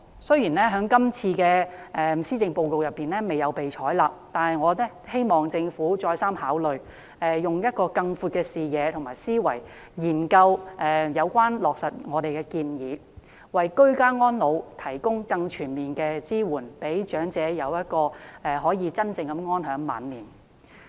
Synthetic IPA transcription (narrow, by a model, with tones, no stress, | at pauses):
sɵ˥ɥjiː˨˩nlɛː˥ɦœː˨˥ŋkɐ˥mt͡sʰiː˧kɛː˧ʔɛː˨˩siː˥t͡sɪ˧ŋpo˧wko˨˧wjɐ˨˩pːiː˨nlɛː˥me˨jɐ˨˧wpe˨jt͡ʃʰɔː˨˥jlaː˨p̚t̪aː˨nhɐ˨jŋɔː˨˧nɛː˥he˥jmɔː˨ŋt͡sɪ˧ŋfuː˨˥t͡ʃɔː˧jsaː˥mhaː˨˥wlɵ˨ɥ | ɛ˨jʊ˨˩ŋjɐ˥t̚kɔː˧kɐ˧ŋfuː˧t̚kɛː˧siː˨jɛː˨˧t̪ʰʊ˨˩ŋmaː˨˩jsiː˥wɐ˨˩j | jiː˨˩nkɐ˧wʔɛ˨jɐ˨˧wkʷaː˥nlɔː˨k̚sɐ˨t̚ŋɔː˨˧ɾe˨jkɛː˧kiː˧njiː˨˧ | wɐ˨jkɵ˥ɥkaː˥ŋɔː˥nlo˨˧wt̪ʰɐ˨˩jkʊ˥ŋkɐ˧ŋt͡ʃʰyː˨˩nmiː˨nkɛː˧t͡siː˥wuː˨˩npe˨˥jt͡ʃœː˨˥ŋt͡sɛː˨˧jɐ˨˧wjɐ˥t̚kɔː˧ʔɛ˨hɔː˨˥jiː˨˧t͡sɐ˥nt͡sɪ˨˧ŋkɐ˨˦˥mŋɔː˥nɦœː˨˥ŋma̰ː˨˥nliː˨˩n